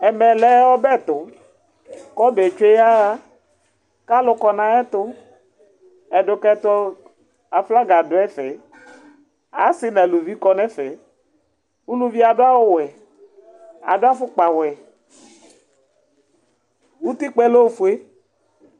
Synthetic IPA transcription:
ɛ˨mɛ˨lɛ˨˦wɔ˦bɛ˦˨t̪ʊ˨ | kɔ˦be˨t͡ʃe˦ja˦ɣa˦ | ka˦lʊ˨kɔ˨nã˨ɛ˦t̪ʊ˦ | ɛ˨dʊ˨kɛ˦t̪ɔ˦ | a˨fla˦ɡa˨dʊ˨˦ɛ˦fɛ˨ | a̰˨˦sɪ˦nɛ˨lu˨vi˦kɔ˦nɛ̃˦fɛ˨ | wu˦nũ˦vi˦a˨do˦a˦wo˦wɛ˨ | a̰˨do˦a˦fʊ˦k͡pa˨wɛ˨ | wu˦t̪i˦k͡pɛ˦lo˦˨fu˨e˦

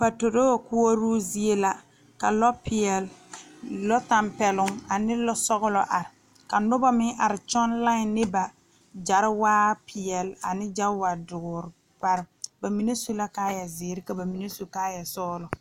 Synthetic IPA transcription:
pa˨to˨do˦wkʊ˦ɔ˦ɾuː˦zi˦e˦la˦ | ka̰˨lɔ˦pɪ˨ɛ˨l | lɔ˦ta˨mpɛ˨lʊ˨ŋa˨nɪ˦lɔ˦sɔ˦ɣʊ˦lɔ˨ʔa˨ɾɪ˨ | ka˨nʊ˦ba˦mɪ˦ŋʔa˨ɾɪ˨t͡ʃɔ˦nla˦ɪ˨nɪ˦ba˨ | d͡ʒa˨ɾɪ˦waː˦pɪ˨ɛ˨la̰˨nɪ˦d͡ʒa˦wa˨dʊ˨ɡʊ˨ɾɪ˨ | pa˨ɾɪ˨˦ba˨mi˨ne˦so˦la˦kaː˦jɛ˨zɪː˨˦ɾɪ˦ka˨ba˨mi˨ne˦so˨kaː˦jɛ˨sɔː˦lɔ˨

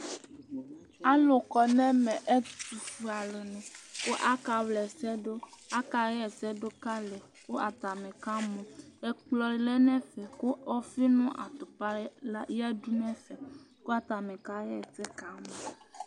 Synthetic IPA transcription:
a˦lo˨kɔ˨nɛ̃˦mɛ̃˨ʔe˦tu˨fu˨a˨le˨nɛ̃˨ko˦ʔa˦ka˨wlɛ˨sɛ˦ɖo˦a˦ka˨ɣɛ˦ɛ˨sɛ˦ɖo˦ka˦lɛ˨ | ko˦ʔa˨t̪a˨mẽ˨ka˦mɔ̃˨e˦k͡plɔ˨ɾi˨lɛ˦nɛ̃˦fɛ˨ko˦ʔɔ˦fi˦nũ˦ʔa̰˨t̪o˨pa˦la˦jɛ˦du˦nɛ̃˦fɛ˨ | ko˦a˦t̪a˨mɛ̃˨ka˦jɛ˦˨tɛ˦ka˨˦mɔ̃˨

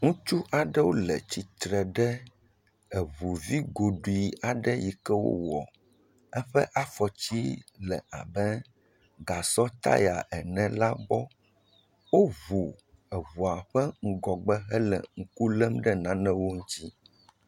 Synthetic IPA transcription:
ŋũ˦t͡ʃu˦ʔa˨ɖɛ˦wo˦lɛ˨t͡ɕi˨t̪ɾɛ˨ɖɛ˦ | ɛ˨βu˨vi˦ɡo˨ɖu˨i˨a˨ɖɛ˦ji˨kɛ˦wo̰˦wɔ̰˨ | ɛ˦ɸɛ˦ʔa˦fɔ˨t͡ɕi˦lɛ˨a̰˨bɛ˦ | ɡa˨sɔ˦t̪a̰˦ja̰˨ʔɛ˨nɛ̃˨la˦bɔ˦ | wo˦vu˨ | ɛ˨βu˨a˨ɸɛ˦ŋ̩˦ɡɔ˨ɡ͡bɛ˦ɦɛ˦lɛ̰˨ŋ̩˦ku˦lɛ˦mɖɛ˦nã˦nɛ̃˦wo˦ŋũ˦t̪i˦

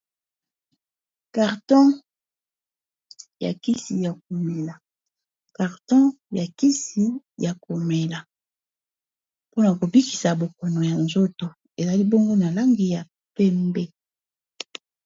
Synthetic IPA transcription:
ka˨ʁtɔ̃˦ | ja̰˨ki˦si˨ja˨k̚o˨mɛ˨la˨ | ka˨ʁtɔ̃˦ | ja˨ki˦si˨ja˨ko˨mɛ˨la˨ | po˦na˨ko˨bi˦ki̥˨sa˨bo˨ko˨no˨ja˨nzo˦to˨ | e˨za˨li˦bo˦ŋɡo˦na˨la˦ŋɡi˨ja˨ | pɛ˦mbɛ˦

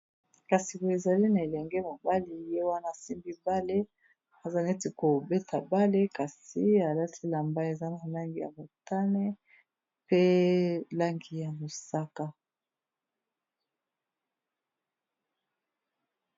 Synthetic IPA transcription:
ka˨si˨ko˨e˨za˨li˦na˨e˨lɛ˨ŋɡɛ˦mo˨ba˦li˨je˦wa˦na˦˨a˨si˦mbi˦ba˦le˦ | a˨za˦ne˦ti˨ko˨be˦tʰa˨ba˦le˦ka˨si˦a˨la˦ti˦la˨mba˦e˨za˦na˨la˦ŋɡi˨ja̰˨mo˨ta˦ne˦ | pe˦la˦ŋɡi˨ja˨mo˨sa˦ka˦

